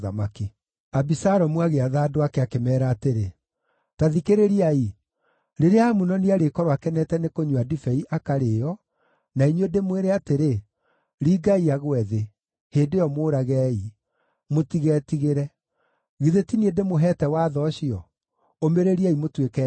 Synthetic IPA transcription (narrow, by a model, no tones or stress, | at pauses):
ða̰make | abisaɾɔmwaɣeaðaːdoakɛakemɛːɾaːteɾe | taðikeɾeɾiai | ɾeɾeamunɔniaɾekɔɾwakɛnɛtɛnekoɲuadifɛiʔakaɾeːjɔ | naiɲuedemweɾeateɾe | ɾiɡaiaɣwɛðe | hendejɔmoːɾaɣɛːi | motiɣɛtiɣeɾɛ | ɣiðetiniedemoɦɛːtɛwaːðɔɕiɔ | omeɾeɾiaimotwekɛ